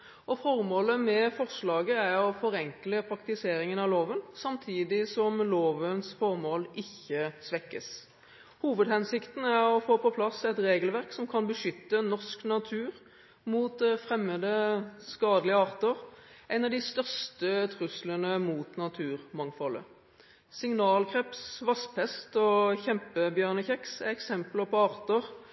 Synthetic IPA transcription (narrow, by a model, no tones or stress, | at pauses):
ɔfɔʁmoːləmɛfɔʁʂlɑːɡəæʁɔfɔʁɛŋkləpʰɾɑkt̪ɪseːɾɪŋənɑʋloːʋənsɑmt̪ʰiːd̪ɪsɔmloːʋənsfɔʁmoːlɪçːəsʋɛkːə̰s | huːʋəd̪hɛnsɪkt̪n̩æʁɔfoːpɔpʰlɑsɛt̪ʁeːɡəlʋæʁksɔmkʰɑnbəʂʏt̪ːənɔʁsknɑt̪ʰʉːʁ | muːt̪fʁɛmːəd̪əskɑːd̪əlɪəɑːʁt̪əʁæɪnɑʋd̪ɪst̪œʁst̪ət̪ʰʁʉslənəmuːt̪nɑt̪ʰʉːʁmɑŋfɔlə̰ | sɪŋnɑːlkʰʁɛpsʋɑspʰɛst̪ɔçɛmpəbjœːʁnəçɛksæɛksɛmpələpʰɔɑːʁt̪əʁ